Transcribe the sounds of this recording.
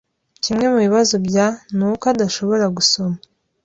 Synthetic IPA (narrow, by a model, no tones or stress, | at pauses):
cimŋe̞muβiβazo̞bjanukadaʃo̞βo̞ɾaɡuso̞ma